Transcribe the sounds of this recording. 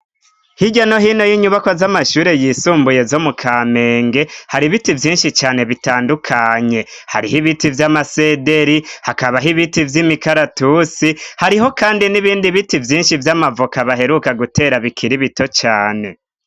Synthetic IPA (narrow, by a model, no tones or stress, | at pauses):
hiɟano̞ɦino̞jiɲuβakozamaʃuːɾe̞jiːsuːmbuje̞zo̞mukʰame̞ːŋɡe̞haɾiβitivjiːnʃit͡ʃaːne̞βitaːndukʰaɲe̞ha̰ɾihiβitivjamase̞de̞ɾihakaβaɦiβitivjimikaɾatusihaɾiɦo̞kaːndiniβiːndiβitivjiːnʃivjamavokaβaɦe̞ɾukaɡute̞ɾaβikʰiɾiβito̞t͡ʃaːne̞